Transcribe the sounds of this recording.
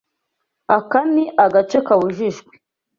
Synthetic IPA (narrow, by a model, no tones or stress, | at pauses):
akaniʔaɡat͡ʃekawuʒiʒɡʷi̥